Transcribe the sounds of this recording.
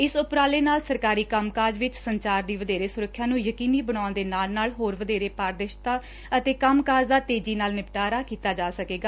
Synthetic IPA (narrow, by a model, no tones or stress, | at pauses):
ɪsʊpɾaːleːnaːlsəɾkaːɾiːkəmkaːd͡ʒʋɪt͡ʃsəɲt͡ʃaːɾd̪iːʋəd̪eːɾeːsʊɾəkʰːjãːnũːjəkiːniːbəɽ̃aːʊnd̪eːnaːlnaːlɦoːɾʋəd̪eːɾeːpaːɾd̪əʃt̪aː | ət̪eːkəmkaːd͡ʒd̪aːt̪eːd͡ʒiːnaːlnɪpʈaːɾaːkiːt̪aːd͡ʒaːsəkeːɡaː